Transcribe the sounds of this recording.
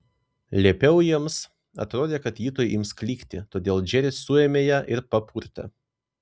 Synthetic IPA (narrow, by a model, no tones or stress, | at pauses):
lʲeːpʲɛʊjiɛms | ɐ̰t̪ɾoːd̪ʲeːkɐt̪jiːt̪oːjɪmsklʲiːkʲt̪ʲɪt̪oːd̪ʲeːlˠd͡ʒʲɛɾʲɪsʊeːmʲeːjæːʔɪɾpɐpʰuːɾʲt̪ɐ̰